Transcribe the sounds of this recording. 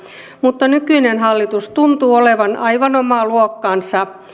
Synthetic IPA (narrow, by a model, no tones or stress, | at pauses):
mut̪ːɑnykyinenɦɑlːit̪ust̪unt̪uːole̞ʋɑnʔɑjʋɑnomɑːluokːɑːnsɑ